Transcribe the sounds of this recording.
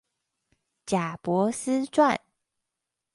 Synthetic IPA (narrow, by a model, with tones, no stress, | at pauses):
t͡ɕja˨˩pwɔ˧˥˦sɹ̩˦t͡swa˥˨n